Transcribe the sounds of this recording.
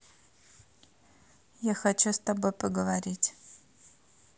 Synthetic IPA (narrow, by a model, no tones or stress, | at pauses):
jaxɐt͡ɕust̪ɐbojpəɡəvɐɾʲitʲ